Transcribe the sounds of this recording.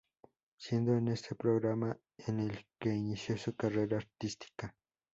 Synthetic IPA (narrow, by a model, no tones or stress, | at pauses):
sjend̪onest̪ʰepɾoɣɾama | enelkeinisjosokareɾaːɾt̪ist̪i̥ka